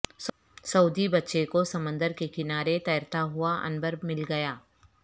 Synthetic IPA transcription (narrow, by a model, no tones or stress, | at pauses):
s | sɐud̪ibɐtːʃekosɐmə̃nd̪əɾkekɪnaːɾet̪ɐjɾt̪aɦʊaʔɐ̰nbəɾmɪlɡɐjaː